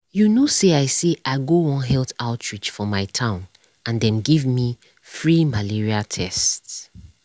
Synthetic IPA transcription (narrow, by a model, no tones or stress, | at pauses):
junoseaɪseʔaɪɡoɔ̃nɦɛltaʊtʰɹit͡ʃfɔmaɪtʰãʊ̃n | ãndɛ̃nɡivmi | fɹimaliɹiatʰɛsts